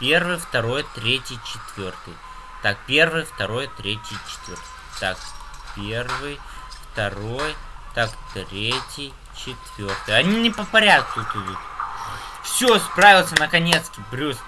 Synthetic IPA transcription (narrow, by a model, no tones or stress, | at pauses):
pʲe̞rvɨjft̪ɐɾo̞jt̪ɾʲetʲɪjt͡ɕɪt̪vʲort̪ɨ̰j | t̪ak̚pʲe̞rvɨjft̪ɐɾo̞jt̪ɾʲetʲɪjt͡ɕɪ̥t̪vʲo̞rt̪ɨ̥ | t̪akpʲervɨj | ft̪ɐɾo̞jt̪akt̪ɾʲetʲɪj | t͡ɕɪt̪vʲo̞rt̪ɨjɐnʲinʲɪpəfpɐɾʲat̪̚kut̪ʊjut̪ | fsʲospravʲɪlˠsʲənəkɐnʲet̪skʲɪbɾʲus